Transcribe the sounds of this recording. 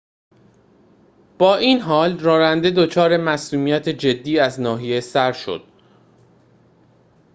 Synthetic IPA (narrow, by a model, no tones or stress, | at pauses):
b̥ɒːʔiːnɦɒːlrɒːɾænd̪e̞d̪ot͡ʃʰɒːɾe̞mæsuːmijæt̪ʰe̞d͡ʒe̞d̪ːiːæznɒːɦije̞sæɾʃo̞̰d̪̥̚